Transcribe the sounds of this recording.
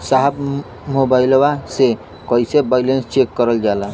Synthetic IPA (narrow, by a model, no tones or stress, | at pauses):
saɦb | mobajlɔwase | kɔisebajlenst͡ʃekːɔɾəld͡ʒala